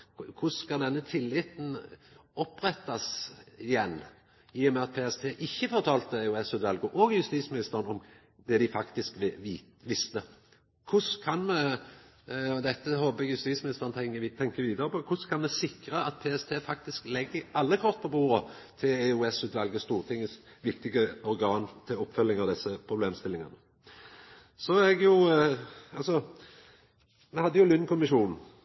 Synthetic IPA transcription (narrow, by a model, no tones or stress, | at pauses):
kʰʊskɑd̪ɛnːət̪ʰɪlːɪt̪n̩ɔpːʁɛt̪ːɑsɪjɛnː | iːʊmɛɑt̪̚pʰeːɛst̪ʰeːʔɪçːəfɔʁt̪ʰɑːlt̪əɛʉɛsʉːt̪ʋɛlɡəʔɔɡjʉst̪iːsmɪnɪst̪əʁənɔm | d̪ɛd̪ɪfɑkt̪ɪskː | ʋɪst̪ə | kʰʊskʰɑnmɛ | ɔd̪ɛt̪ːəhɔbəɛɡjʉst̪iːsmɪsfɑnt̪ʰɛŋt̪ʰɛŋkəʋiːd̪əɾəpʰɔkʰʊskʰɑnmɛsɪkɾəɑt̪̚pʰeːɛst̪ʰeːfɑkt̪ɪsklɛɡːəɑlːəkʰɔʁt̪̚pʰɔbuːɾət̪ʰɪlɛʉɛsʉːt̪ʋɑlɡəst̪uːʁt̪ʰɪŋːəs | ʋɪkt̪ɪɡəɔɾɡɑːnt̪ʰɪlɔpːfœlːɪŋɑʋd̪ɛsːəpʰɾʊbleːmst̪ɪlɪŋɑnə | sɔɛɡjʊ | ɑlsɔ | mɛhɑd̪ːəjʊlʏnːkʰʊmɪʃuːnn̩